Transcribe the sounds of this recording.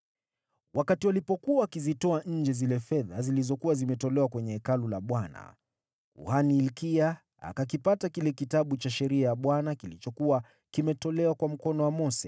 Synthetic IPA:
wʔakatiwalipɔkuaːkizitɔaɲ̩d͡ʒɛzilɛfɛða̰zilizɔkuwazimɛtɔlɛwakwɛɲɛɛkalulaɓwana̰ | ṵhaniːlkia | a̰kakipatakilɛkitaɓut͡ʃaʃɛɾiajaɓwanakilit͡ʃɔkuwa | kimɛtɔlɛwakwam̩kɔnɔwamɔsɛ

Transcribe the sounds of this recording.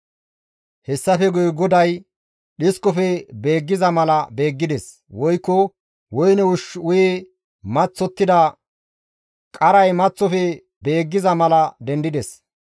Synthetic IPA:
hɛsːɐfɛɡʊjɡɔd̪ɐj | ɗɪskʼːɔfɛbeːɡːɪzɐmɐlɐbe̞ːɡːɪd̪ɛs | wɔjkːɔ | wɔjnɛʊʃʊje | mɐt͡sːɔt̪ːɪd̪ɐ | kʼɐɾɐjmɐt͡sːɔfɛ | be̞ːɡːɪzɐmɐlɐd̪ɛnd̪ɪd̪ɛs

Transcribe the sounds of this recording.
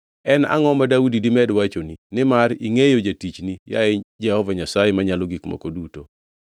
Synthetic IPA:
ɛna̰ŋɔmadaudidɪmɛdwat͡ʃoninɪmaɾiŋejod͡ʒatit͡ʃnija̰ɛd͡ʒɛhɔvaɲasajɛmaɲalɔɡikmɔ̰koduto

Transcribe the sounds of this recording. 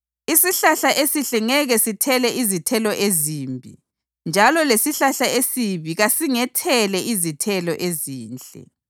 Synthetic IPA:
isiɬaɬaʔesiɬɛŋɛɣɛsitʰɛlɛʔizitʰɛlɔʔezimbʱi | nd͡ʒʱalɔlesiɬaɬaesiβiɣasiŋɛtʰɛlɛʔizitʰɛlɔʔeziːnt͡ɬʼɛ̰

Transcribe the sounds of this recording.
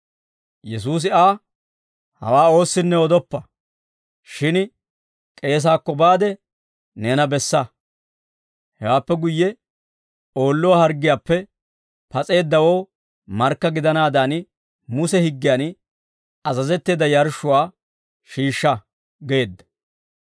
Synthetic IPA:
jɛs̬uːs̬ɪaː | hɐ̰waːo̞ːsːɪnːɛɔd̪ɔpːɐ | ʃɪn | kʼe̞ːs̬aːkːɔbaːd̪ɛ | ne̞ːnɐbɛsːɐ | hɛ̰waːpːɛɡʊjːɛ | o̞ːlːʊwaːhɐɾɡɪjaːpːɛ | pɐt͡sʼe̞ːd̪ːɐwo̞ː | mɐɾkːɐɡɪd̪ɐnaːd̪an | mʊsɛhɪɡːɪjaːn | ɐzɐzɛt̪ːeːd̪ɐjɐɾʃʊwaː | ʃiːʃːɐ | ɡe̞ːd̪ːɐ̥

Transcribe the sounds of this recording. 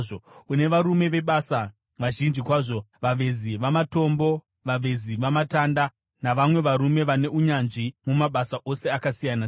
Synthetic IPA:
oune̞ʋaɾume̞ʋe̞ɓasa | ʋaʒind͡ʒikwaʐo̞ʋaʋe̞ziʋamato̞mbo̞ | ʋaʋe̞ziʋamatanda | naʋamwe̞ʋaɾume̞ʋane̞uɲanʐimumaɓasaʔo̞se̞akasijana

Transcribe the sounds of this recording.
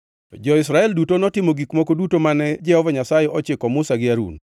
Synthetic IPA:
ɔd͡ʒɔɪsɾaɛldutonɔtɪmoɡikmokodutomanɛd͡ʒɛhɔvɔɲasajɛɔt͡ʃɪkɔmʊsaɡɪaɾṵn

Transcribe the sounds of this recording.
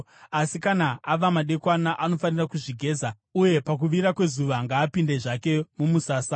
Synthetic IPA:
asikanaaʋamaɗe̞kwanaʔano̞fanirakuʐiɡʱe̞ːza | uje̞pak̬uʋiɾakwe̞zuʋaŋɡaːpinde̞ʐake̞mumusaːsa

